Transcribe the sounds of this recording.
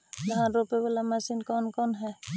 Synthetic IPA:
laɦanɾupɛbɛlamasinkɔnkɔnɦɛ

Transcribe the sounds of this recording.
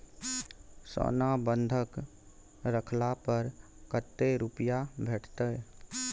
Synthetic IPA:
sɔ̰ːnabənd̪ʱək | ɾəkʰlapəɾ | kət̪ːeɾupjabʱeːʈʰt̪ə

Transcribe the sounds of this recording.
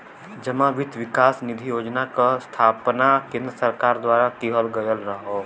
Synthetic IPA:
d͡ʒəmãʋɪd̪ʋɪkaːsnɪd̪ʱijoːd͡ʒnakast̪ʰaːpnakẽːnd̪ɾəsɐɾkaːɾd̪waːɾakiɦəlɡɐjəlɾɐɦoː

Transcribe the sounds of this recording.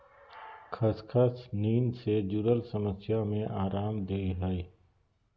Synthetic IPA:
kʰəskʰəsniːnsed͡ʒʊɾəlsəməsjamẽʔaːɾaːmd̪eiɦɛe

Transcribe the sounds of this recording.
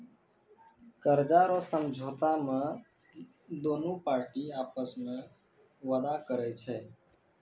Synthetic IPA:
kəɾd͡ʒaɾɔsəmd͡ʒʱoːt̪amẽ | d̪oːnũpaːɾʈiaːpəsmẽ | ʋəd̪akəɾɛt͡ʃʰɛː

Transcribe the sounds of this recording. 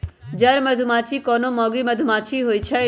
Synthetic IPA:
d͡ʒaɾməd̪ʱumãt͡ʃʰikɔnomɔ̃ɡiməd̪ʱumat͡ʃʰiɦojt͡ʃʰɛ

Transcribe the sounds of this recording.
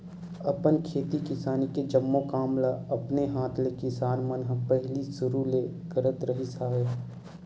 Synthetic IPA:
ɐpənkʰeːt̪ikɪsaːniked͡ʒɐmːokaːmlaɐpneɦaːt̪ʰlekɪsaːnmɐnɦpɛɦlisʊɾule | kəɾət̪ɾɐɦisaːɦe

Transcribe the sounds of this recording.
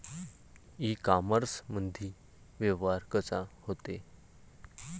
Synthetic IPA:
ikaməɾsməd̪ʱiː | ʋeʋaɾkəsahot̪e

